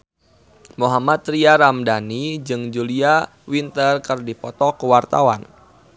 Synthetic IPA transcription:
muɦamat̪̚ɾiaɾamdanid͡ʒɨŋd͡ʒulia | wint̪ərkərdipɔt̪ɔkəwart̪a̰wan

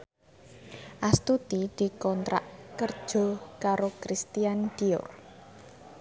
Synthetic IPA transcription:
ʔast̪ut̪id̪̥i̤kɔnt̪ɾa̰ʔkərd̥ʒ̥o̤kaɾokɾist̪ijand̪̥iʊ̰r

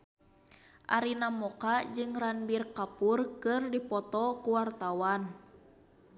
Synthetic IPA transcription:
ʔaɾinamɔkad͡ʒɨŋranbirkapurkɨrdipɔt̪ɔkuwart̪awan

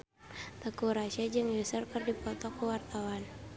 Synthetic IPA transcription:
t̪əkuɾaʃad͡ʒɨŋjusərkərdipɔt̪ɔkuwart̪awan

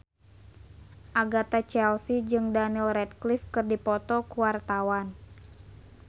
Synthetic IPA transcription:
ʔaɡat̪at͡ʃɛlsid͡ʒɨŋdanilrɛd̚klifkɨrdipɔt̪ɔkuwart̪awan

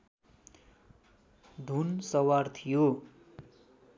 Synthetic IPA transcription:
d̪ʱunsʌwart̪ʰijo

